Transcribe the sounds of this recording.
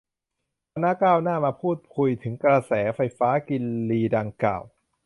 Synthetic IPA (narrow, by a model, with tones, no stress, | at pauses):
t̪ʰa˧na˦˥kaː˥˩wnaː˥˩maː˧pʰuː˥˩t̪̚kʰu˧jt̪ʰɯ˩˦ŋkɾa˧sɛː˩˦fa˧jfaː˦˥ki˧nliː˧da˧ŋkla̰ː˨˩w